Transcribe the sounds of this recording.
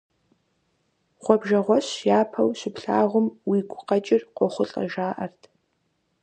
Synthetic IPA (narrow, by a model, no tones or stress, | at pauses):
χʷɔbʒɐʁʷɔɕjaːpʰɐwɕɪpɬa̰ːʁʷʊmwiːɡʷʼʊqɐt͡ʃʼɪrqʷɔχʷʊɬʼɐ̰ʒaːʔɐrtʰ